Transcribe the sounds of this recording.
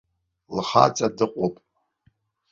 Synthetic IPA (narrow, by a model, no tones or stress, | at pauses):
lχa̰t͡sʼadɨqʷʼopʼ